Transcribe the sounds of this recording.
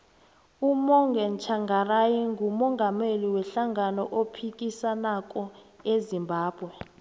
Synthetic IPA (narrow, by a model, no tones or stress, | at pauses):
umɔŋɡɛnt͡ʃʰaŋɡarajiŋɡumɔŋɡʱameliwɛɬaŋanɔʔopʰik̬ʼisanakʼɔezimbʱaːb̥ʱwɛ